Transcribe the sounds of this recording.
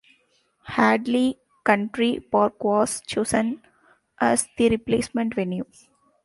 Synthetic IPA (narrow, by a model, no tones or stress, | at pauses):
hæːɖli | kʌ̃ɳʈɾipaːɾkʋɔːst͡ʃoːsə̃n | ʔæsd̪̥iɾipleːsmɛ̃ɳʈʋẽnjuː